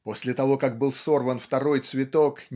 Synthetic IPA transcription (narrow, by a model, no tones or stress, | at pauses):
posʲlʲɪt̪ɐvo̞kak̚bɨlˠso̞rvənft̪ɐɾo̞jt̪svʲɪt̪o̞knʲ